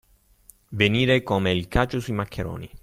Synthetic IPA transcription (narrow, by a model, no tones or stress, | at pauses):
veniːɾekomeilkaːt͡ʃosuimakʰːeɾo̰ːnḭ